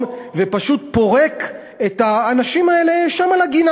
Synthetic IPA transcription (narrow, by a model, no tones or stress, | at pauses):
vepaʃut̪̚po̞ʁek | et̪aːnaʃimaele̞ʃamalaɡina